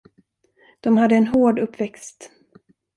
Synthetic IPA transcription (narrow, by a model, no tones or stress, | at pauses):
d̪̥ɔmhad̪ːəɛnɦoːɖɵpːvɛkst̪